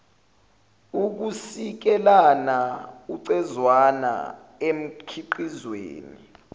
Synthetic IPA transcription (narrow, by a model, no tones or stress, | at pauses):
uk̬usik̬ɛlanauǀɛzwana̰ | em̩kʰiǃizwḛːni